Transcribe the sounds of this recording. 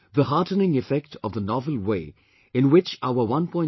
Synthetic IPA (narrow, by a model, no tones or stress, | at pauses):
ðəhaʈənɪ̃ŋɪfɛk̚ʈʰɔvðənɔvəl̩ˠweː | ɪ̃nwɪt͡ʃaʊəwʌ̃npʰɔ̃ɪ̃